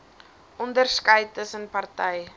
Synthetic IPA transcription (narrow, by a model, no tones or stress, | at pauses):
ʔɔndərskɐjtəsənpɐrtɛj